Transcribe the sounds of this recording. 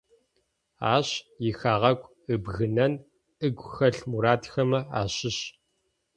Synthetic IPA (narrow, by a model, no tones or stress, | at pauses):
a̰ːɕjɪxaːʁɐkʷʼ | ɨbɣɨnɐn | ʔɨɡʷxɐɬmuɾaːtxɐmɐa̰ːɕɪɕ